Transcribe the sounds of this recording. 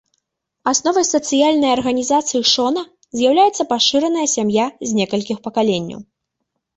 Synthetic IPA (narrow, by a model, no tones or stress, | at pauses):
asnɔvɐjsɐt̪sɨjalʲnɐjɐrɣɐnʲizat̪sɨjiʂɔnɐ | zʲjawlʲajɛt̪sːɐpaʂɨɾɐnɐjɐsʲamjazʲnʲɛkɐlʲkʲixpɐkalʲenʲːɐ̰w